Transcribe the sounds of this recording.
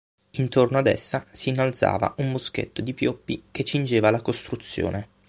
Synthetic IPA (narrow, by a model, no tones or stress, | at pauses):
int̪ornoad̪ɛ̰sːasiːnːalt̪sa̰ːva̰ʔumboskḛt̪ːod̪ipjɔpːik̟et͡ʃːind͡ʒeːvalakost̪ɾut̪sːjo̰ːne